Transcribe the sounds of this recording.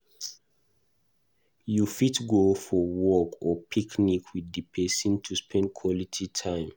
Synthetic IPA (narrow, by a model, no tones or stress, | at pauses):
jufitɡofɔwɔkʰɔpʰiknikʰwidːipʰɛsĩntʰuspʰɛ̃nd̚kʰwɔlitʰitʰãɪ̃m